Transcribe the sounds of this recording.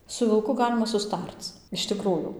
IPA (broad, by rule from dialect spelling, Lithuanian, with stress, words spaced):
sʊ ʋʲɪlˠˈkʊ ˈɡɑːlʲɪmɐ sʊˈstɐrt͡s ɪʃ tʲɪˈkruːjuː